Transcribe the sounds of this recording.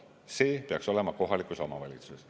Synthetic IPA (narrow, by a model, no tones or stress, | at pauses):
se̞ːpeɑkso̞le̞mɑko̞ɦɑlikˑuso̞mɑvɑlʲit̪suss